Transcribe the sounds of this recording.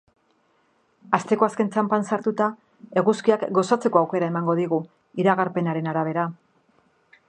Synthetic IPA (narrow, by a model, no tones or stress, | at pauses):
ast̪e̞ko̞aske̞nt͡sampansaɾt̪ut̪a | e̞ɣuskiakɡo̞sat͡se̞ko̞awke̞ɾaemaŋɡo̞ðiɣu | iɾaɣaɾpe̞naɾe̞naɾaβ̞e̞ɾa